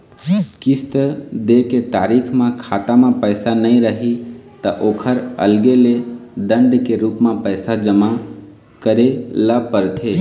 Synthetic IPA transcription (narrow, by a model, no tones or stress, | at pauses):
kɪst̪əd̪eket̪aːɾiːkʰmãkʰaːt̪amãpəɪsanəĩɾəɦit̪ɐʔoːkʰəɾə̰lɡeled̪ə̃ɳɖkeɾuːpmãpəɪsad͡ʒəma | kəɾeləpəɾt̪ʰeː